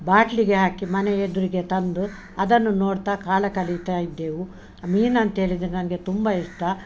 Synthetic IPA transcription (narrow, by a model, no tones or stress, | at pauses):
baːʈliɡe̞ɦaːkimɐneed̪uɾiɡe̞t̪ɐnd̪u | ɐd̪ɐnːunoːɽt̪aːkaːlɐkɐlit̪aːjid̪ːe̞ːʋu | miːnɐnt̪ɦeːɭid̪ɾnɐnɐɡet̪umbɐiʂʈɐ